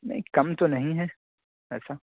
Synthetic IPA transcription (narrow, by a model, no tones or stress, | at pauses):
nɐ̰ĩkɐmt̪onɐɦĩɦɛ | ɛːsa